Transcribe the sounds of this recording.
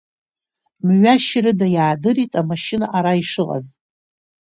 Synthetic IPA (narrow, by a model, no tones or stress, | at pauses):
mɥaʃrɨdajaːdɨritʼamaʃɪnaʔaɾaiʂɨla̰z